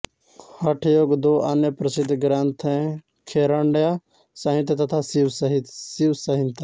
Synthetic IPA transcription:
hɐʈʰjoːɡd̪oːʔaːnjəpɾəsɪd̪ʱɡɾaːnt̪ʰẽ | kʰeːɾaɳɖjaː | sɐɦĩnt̪et̪ɐt̪ʰaːsiʋsɦ̪siʋsɐɦĩnt̪a

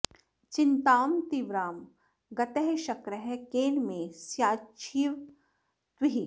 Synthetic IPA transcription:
t͡ʃɪnt̪aːmt̪iʋɾaːm | ɡɐt̪ɛɦʃɐkɾəɦɛkeːnmẽsjaːt͡ʃʰiːʋ | t̪wiɦi

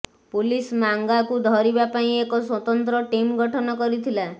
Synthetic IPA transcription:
pulismaŋɡakud̪ʱɔɾibapaĩekɔswɔt̪ɔnt̪ɾɔʈimɡɔʈʰɔnɔkɔɾit̪ʰila

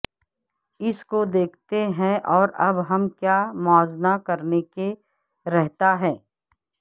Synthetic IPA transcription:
ɪskod̪eːkʰt̪eɦɛ̃ʔɔːɾɐbɦɐmkjaːmɔːznakɐɾneke | ɾɛɦt̪aɦɛ̃ː

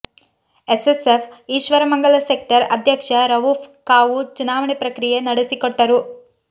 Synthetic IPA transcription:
esesefʰiːʃʋɐɾɐmɐŋɡɐɭɐsek̚ʈɐɾɐd̪ʱjɐkʂɐɾɐʋupʰkaːʋut͡ʃunaːʋɐɳepɾɐkɾijenɐɽesikoʈːɐɾu

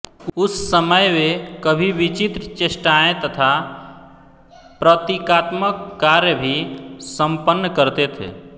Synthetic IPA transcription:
ʊsːəməjmekəbʱiʋit͡ʃit̪ɾət͡ʃesʈaẽt̪ət̪ʰa | pɾət̪ikat̪məkːaɾjəbʱisə̃mpənːkəɾt̪et̪ʰḛ

